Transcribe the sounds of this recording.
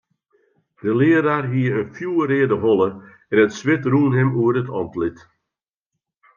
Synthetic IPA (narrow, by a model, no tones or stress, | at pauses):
d̥əlɪəɾaːrɦiəənfjuːəɾɪːədəɦɔlˠə | ɛnətsʋɪtruːnɦɛmuəɾətʰɔ̰ntlɪt